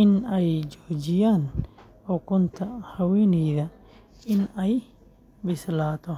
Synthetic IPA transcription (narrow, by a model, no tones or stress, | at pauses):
ɪnɛjd͡ʒɔːt͡ʃɪjaːn | ɔːkʰɔnt̪ʰɐhɐwɛːnɛjðɐ | ɪnɛj | bɪslaːt̪ʰɔ